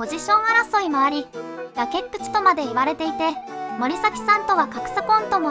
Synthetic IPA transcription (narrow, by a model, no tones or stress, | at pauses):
o̞ʑiɕõ̞ɰ̃aɾaso̞imaaɾʲijake̞pːɯ̟̥t͡si̥t̪o̞mad̪e̞iβaɾe̞t̪e̞it̪e̞mo̞ɾʲisakʲi̥sãnt̪o̞βakakɯ̟̥sakõ̞nt̪o̞mo